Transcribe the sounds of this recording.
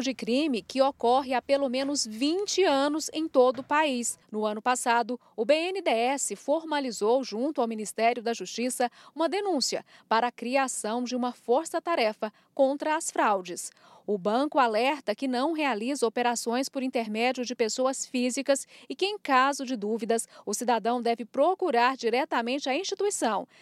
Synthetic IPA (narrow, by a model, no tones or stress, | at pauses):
d͡ʒɪkɾĩmɪkɪokɔɦɪapelomẽnʊzvĩt͡ʃɪɐ̃nʊzẽj̃t̪od̪ʊpaisnʊɐ̃nʊpasad̪ʊ | ʊbeenɪd̪eɛsɪfoɾmalizowʒũnt̪ʊawmĩnist̪ɛɾjʊd̪ɐʒust͡ʃisɐũmɐd̪enũsiɐ̰paɾɐːkɾiasɐ̃w̃d͡ʒɪũmɐfoɾsɐt̪aɾɛfɐ | kõnt̪ɾɐːsfɾawd͡ʒɪs | ʊbɐ̃kʊalɛɾt̪ɐkɪnɐ̃w̃ɦealizɐopeɾasõj̃spʊɾĩnt̪eɾmɛd͡ʒjʊd͡ʒɪpesoɐsfizikɐsɪkɪẽj̃kazʊd͡ʒɪd̪uvid̪ɐsʊsid̪ad̪ɐ̃w̃d̪ɛvɪpɾokuɾaɾd͡ʒiɾɛt̪ɐmẽnt͡ʃɪɐĩsʃt͡ʃit̪uisɐ̃w̃